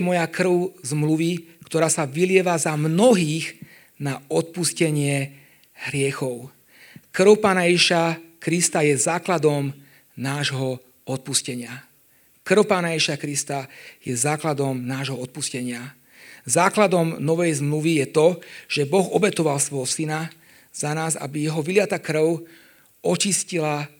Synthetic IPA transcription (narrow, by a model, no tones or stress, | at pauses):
mɔjakr̩ʊzmluʋikt̪ɔɾaːsaʋilɪɛʋazamnɔɦiːɣ | naɔt̪̚puscɛɲɪɛ | ɦɾɪɛxɔʊ | kr̩ʊpaːnajɛʒiʃakɾist̪ajɛzaːklad̪ɔm | naːʒɦɔ | ɔt̪̚puscɛɲɪa | kr̩ʊpaːnajɛʒiʃakɾist̪ajɛzaːklad̪ɔmnaːʒɦɔɔt̪̚puscɛɲɪa | zaːklad̪ɔmnɔʋɛjzmluʋijɛt̪ɔʒ̥ɛbɔɣɔbɛt̪ɔʋalsʋɔjɦɔsina | z̥anaːza̰bijɛɦɔʋilɪat̪akr̩ʊ | ʔɔt͡ʃiscila